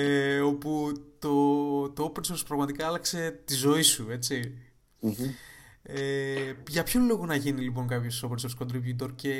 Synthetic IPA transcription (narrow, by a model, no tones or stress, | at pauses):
eo̞put̪o̞t̪o̞openso̞ɾspɾɐɣmɐt̪ikɐɐlɐkse̞t̪izo̞isue̞t͡si | eʝɐpçolo̞ɣonɐʝinilip̬o̞ŋkɐpçosopenso̞ɾtskond̪ɾipjut̪̬oɾce̞